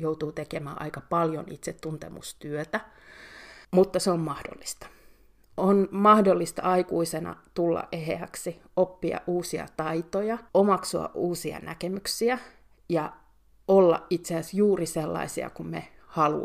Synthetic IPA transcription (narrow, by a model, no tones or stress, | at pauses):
jout̪uːt̪ekemæːʔɑ̰ikɑpɑljonit̪set̪ːunt̪ḛmṵst̪yøt̪æ | mut̪ːɑseommɑhdo̰lːist̪ɑ̥ | ʔonmɑhdolːist̪ɑ̰ɑikuisenɑ̰t̪ulːɑ̰ʔʔeɦḛæksi | opːiɑ̰ʔʔuːsiɑ̰t̪ɑit̪ojɑomɑksoɑ̰ʔʔuːsiɑ̰nækemyksiæ | jɑ | olːɑ̰ʔʔit̪seæsjuːriselːɑ̰isiɑ̰kumme | hɑlṵ